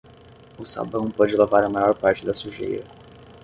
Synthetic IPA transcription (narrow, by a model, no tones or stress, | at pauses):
ʊsa̰bɐ̃w̃pɔd͡ʒɪlavaɾɐmajɔɾpaɾt͡ʃɪd̪ɐsuʒḛjɾɐ